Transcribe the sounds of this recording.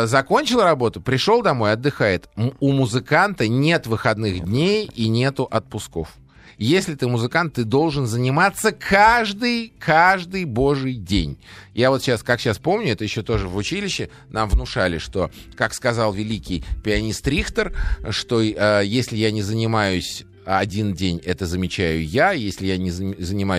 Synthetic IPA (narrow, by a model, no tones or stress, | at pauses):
zɐko̞nʲt͡ɕɪlˠɾɐbo̞t̪ʊpɾʲɪʂo̞lˠd̪ɐmo̞jɐd̪ːɨxajɪt̪ʊmʊzɨkant̪ənʲe̞t̪vɨxɐd̪nɨxdʲnʲejinʲe̞t̪ʊʔɐt̪̚pʊsko̞̰f | jesʲlʲɪt̪ɨmʊzɨkant̪ːɨd̪o̞lˠʐɨnzənʲɪmat̪sːəkʰaʐd̪ɨjkʰaʐd̪ɨjbo̞ʐɨjdʲḛnʲjavo̞t̪ɕaskakɕaspo̞mnʲʊɛt̪əjɪɕːo̞t̪o̞ʐɨvʊt͡ɕilʲɪɕːɪ | nʔamvnʊʂalʲɪʂt̪o̞kakskɐzalˠvʲɪlʲikʲɪjpʲɪɐnʲist̪ɾʲixt̪ərʂt̪o̞əjesʲlʲɪjanʲɪzənʲɪmajʊsʲ | ɐdʲindʲenʲɛt̪əzəmʲɪt͡ɕæjʊjajesʲlʲɪjanʲɪzzənʲɪmaj